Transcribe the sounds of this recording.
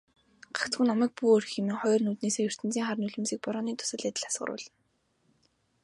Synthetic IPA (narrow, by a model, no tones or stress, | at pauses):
ɢ̥ḁkt͡s̪ɡuːnɔmæːk̚puːorximɘ̆ŋχɔjɞ̆rnuːt̪neːseːjɵr̥t̪ɘ̆nt͡siːŋχaɾ̆nɵɮɘ̆msiːk̚pɔɾɔːniːt̪ʰʊ̥sə̆ɮeːt̪ɘ̆ɮḁsɢə̰rʊ̰ɮə̆n